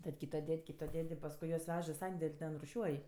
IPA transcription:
tɐt ˈkʲiːtoː ˈdʲɛtʲ ˈkʲiːtoː ˈdʲɛtʲ ɪ pɐsˈkʊɪ juɔs ˈʋʲɛʃ ɪ ˈsɐnʲdʲɛlʲ ˈtʲɛn rʊˈʃʲuɔj

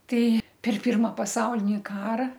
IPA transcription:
ˈtʲɛɪ pʲɛr ˈpʲɪrmɐ pɐˈsɐʊlʲɪnʲɪ ˈkɑːrɐ

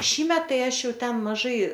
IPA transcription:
ˈʃʲiːmʲɛt ˈtɐɪ ˈɐʃ ˈjɛʊ ˈtʲɛn mɐˈʒɐɪ

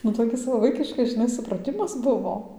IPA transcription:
nʊ toːˈkʲɪs ʋɐ ˈʋɐɪkʲɪʃkɐs ʒʲɪˈnɐɪ sʊprɐˈtʲɪmɐs ˈbʊʋoː

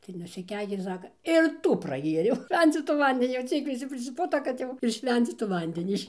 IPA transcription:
tɐɪ nʊsʲɪˈkʲɛɪkʲeː ˈsɑːkɐ ɪr ˈtuː prɐˈɡʲeːrʲɛʊ ˈʃʲʋʲɛnʲt͡sʲiːtuː ˈʋɐnʲdʲɛnʲiː jɛʊ ˈt͡sʲiɛk ʋʲɪˈsʲɪ pʲrʲɪsʲɪˈpʊtoː kɐt ˈjɛʊ ɪr ˈʃʲʋʲɛnʲt͡sʲiːtuː ˈʋɐnʲdʲɛnʲiː ɪʃ

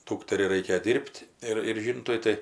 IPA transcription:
ˈduːktʲɛrʲɛɪ ˈrɐɪkʲeːjoː ˈdʲiːrʲpʲtʲ ɪr ɪr ˈʒʲiːntʊɪ ˈtɐɪ

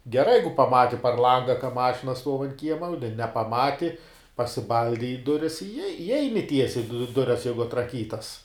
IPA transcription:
ɡʲɛˈrɐɪ ˈjɛɪɡʊ pɐˈmɑːtʲɪ pɐr ˈlˠɐŋɡɐ kɐ ˈmɑːʃʲɪnɐ stuɔw ɐnt ˈkʲiɛmɐ ʊ nʲɛ nʲɛpɐˈmɑːtʲɪ pɐsʲɪˈbɐlʲdʲɪ ɪ ˈdʊrʲɪs ɪ ɪ ˈɛɪnʲɪ ˈtʲiɛsʲɛɪ dʊ ˈdʊrʲɛs ˈjɛɪɡʊ ɐtrɐˈkʲiːtɐs

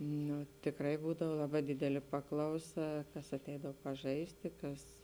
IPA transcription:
ˈnʊ tʲɪkˈrɐɪ ˈbuːdɐw ˈlˠɑːˌbɑː ˈdʲɪdʲɛlʲeː ˈpɑːklˠɐʊˌsɐ ˈkɐs ɐˈtʲɛɪdɐw pɐˈʒɐɪsʲtʲɪ ˈkɐs

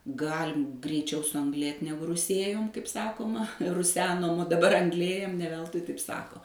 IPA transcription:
ˈɡɑːlʲɪm ɡrʲɛɪˈt͡ʃʲɛʊ sʊɐŋɡˈlʲeːt ˈnʲæːɡʊ rʊˈsʲeːjoːm kɐɪp ˈsɑːkoːmɐ rʊˈsʲæːnoːm oː dɐˈbɐr ɐŋɡˈlʲeːjɛm nʲɛ ˈʋʲɛlˠtʊɪ tɐɪp ˈsɑːkoː

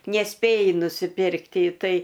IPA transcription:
nʲɛˈsʲpʲeːjɪ nʊsʲɪˈpʲɪrkt ɪ ˈtɐɪ

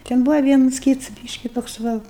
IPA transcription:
tʲɛn ˈbʊʋɐ ˈʋʲiɛnʊs ˈkʲiːts ˈbʲiːʃʲkʲɪ toːks ˈʋɐ

